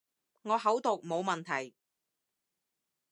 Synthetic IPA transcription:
ŋɔː˨˧ɦɐ˨˥wt̪o˨k̚mo˨˧wmɐ˨˩nt̪ʰɐ˨˩j

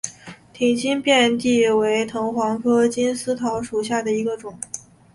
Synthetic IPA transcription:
t̪ʰi˨˩ŋt͡ɕi˥npjɛ˥˧nt̪i˥˩we˧˥ɪt̪ʰɤ˧˥ŋxwɑ˧˥ŋkʰɤ˥t͡ɕi˥nsɹ̩˥t̪ʰɑ˧˥ʊʂu˨˩ɕja˥˩d̪ə˩i˧˥ɡə˧ʈ͡ʂʊ˨˩˦ŋ

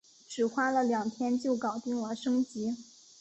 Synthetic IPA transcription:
ʈ͡ʂɻ̩˨˩xwa˥lə˨ljɑ˨˩ŋt̪ʰjɛ˥nt͡ɕjo˥˩ʊkɑ˨˩ʊt̪i˥˩ŋwɔ˨˩ʂɤ˥ŋt͡ɕi˧˥

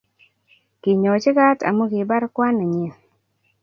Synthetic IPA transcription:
kɪ˨ɲɔ˨t͡ʃɪ˦ka˦ta̰˨mo˦ɡɪ˨ba˦ɾkwa˦na˨ɲi˨

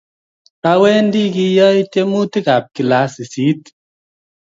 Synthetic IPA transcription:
a˧˦wɛ˦ndi˦ki˧jɔ˦i˦tje˦mu˦ti˦ka˨p̚ki˨la˨˦si˨si˨˦t

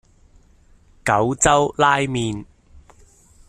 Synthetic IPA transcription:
kɐ˨˥wt͡sɐ˥wlaː˥jmiː˧n

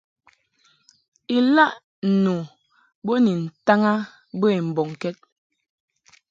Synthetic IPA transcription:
i˨la˦ʔ | nu˨ | bo˦ni˨n̩˨ta˦ŋa˦ | bə˦i˨m̩˨bɔ˨ŋ˨kɛ˦t̚

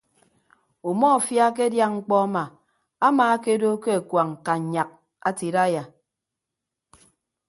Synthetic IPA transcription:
u˨mɔ˦˨fja˦k̬e˦dja˦ŋŋ͡m̩˦k͡pɔ˦a˦ma˨ | a˦maː˨a˦ke˦do˦ke˦a˨kwa˨ŋ̩˨ka˨ɲa˨k̚ | a˦ti˨ɾa˦ja˨

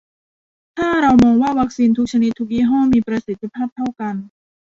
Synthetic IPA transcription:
t̪ʰaː˥˩ɾa˧wmɔː˧ŋwaː˥˩wa˦˥k̚siː˧nt̪ʰu˦˥k̚t͡ɕʰa˧ni˦˥t̪ʰːu˦˧k̚jiː˥˩ɦɔː˥˩miː˧pɾa˧si˨˦t̪ʰːi˧pʰaː˥˩p̚t̪ʰa˥˩wka˧n

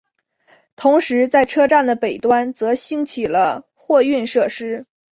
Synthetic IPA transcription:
t̪ʰʊ˧˥ŋʂɻ̩˧˥t͡sa˥˩ɪʈ͡ʂʰɤ˥ʈ͡ʂa˥˩nd̪ə˩pe˨˩ɪt̪wa˥nt͡sɤ˧˥ɕi˥ŋt͡ɕʰi˨˩lə˦ | xwɔ˥˧y˥˧nʂɤ˥˩ʂɻ̩˥

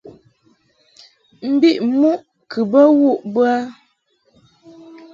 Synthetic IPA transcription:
m̩˦bi˦ʔmu˦ʔ | kʰɨ˨bə˦wu˦˨ʔbɰa˦

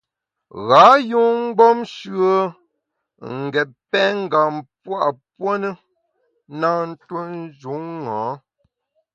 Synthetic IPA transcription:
ɣa˨˦ju˦ŋ̩˦ɡ͡bɔ˦mʃɰə˦ | ŋ̩˨ɡɛ˨pɛ˦ŋ̩˦ɡa˨mpwa˦ʔpwo˦nə˦ | na˦n̩˦tu˦n˦d͡ʒu˨˦ŋŋãː˨˦

